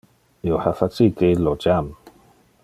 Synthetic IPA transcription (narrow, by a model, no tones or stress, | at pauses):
iohafat͡sikeilod͡ʒam